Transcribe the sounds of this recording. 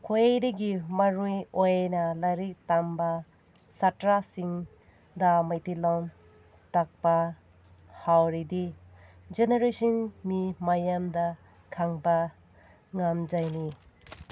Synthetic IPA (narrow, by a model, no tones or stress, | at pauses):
kʰojejdiɡimɐɾujojnɐlajɾik̚tambɐ | satɾasiŋ | dɐmajtilɔm | tak̚pɐ | hawɾidi | d͡ʒeneɾesinmimajamdɐ | kʰaŋbɐ | ŋamd͡ʒajni